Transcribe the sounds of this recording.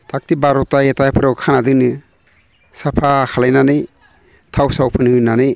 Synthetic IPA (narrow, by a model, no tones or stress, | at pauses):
tʰak̚tibaɾɔtajetajpʰɯɾawkʰanadɯnɯ | sapʰakʰalajnanɯj | tʰawsawpʰɯnhɯnanɯj